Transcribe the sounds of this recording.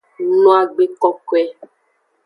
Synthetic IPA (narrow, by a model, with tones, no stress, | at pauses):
nɔ̃˦a˨ɡ͡be˨kɔ˦ko˦ɛ˦